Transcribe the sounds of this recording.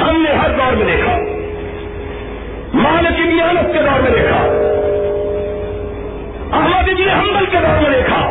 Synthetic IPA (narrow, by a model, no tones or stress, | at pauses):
hɐmneɦɐɾd̪aːɾmẽd̪eːkʰaː | mãːlekɪmijaːnət̪ked̪aːɾmẽd̪eːkʰa̰ː | ɐɦməd̪id͡ʒineɦɐmd̪əlked̪aːɾmẽd̪eːkʰa̰ː